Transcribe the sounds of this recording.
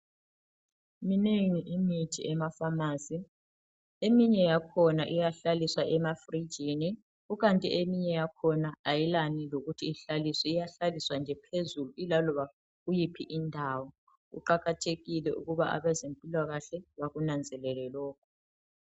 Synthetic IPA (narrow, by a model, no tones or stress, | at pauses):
mineŋiʔimitʰiɛmafamaːsi | emiɲɛjakʰɔnaʔijaɬaliswaʔɛmafri̥d͡ʒʱini | uɣantʼḭemiɲɛjakʰɔnaajilaniloɣutʰiiɬalisɔijaɬaliswand͡ʒʱɛpʰezuluilalɔβa | ɣujipʰiʔindʱawɔ | ṵǃaɣatʰeɣilɛʔṵɣuβaʔa̰βɛzempʼilaɣaɬɛβaɣunand͡zʱɛlɛlɛlɔːkʰɔ